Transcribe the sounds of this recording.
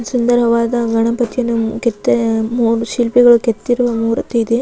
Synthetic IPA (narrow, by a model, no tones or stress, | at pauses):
sɐnd̪ɐɾɦɐʋaːd̪ɐɡɐɳɐpɐt̪ijɐnːuket̪ːemuːɾuʃilpɛɡɐɭuket̪ːiɾuʋɐmuːɾɐt̪eid̪e